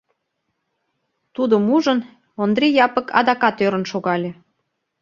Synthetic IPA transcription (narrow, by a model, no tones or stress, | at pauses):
t̪ud̪əmuʒən | ond̪ɾijɑpə̆kɑ̰d̪ɑkɑt̪øɾə̆nʃoɣɑlʲe